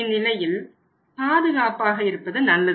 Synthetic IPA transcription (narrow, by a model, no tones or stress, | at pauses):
ɪnːɪlɐjɪl | paːðɯɣaːpaːɣɐɪɾɯpːɐðɯnɐlːɐð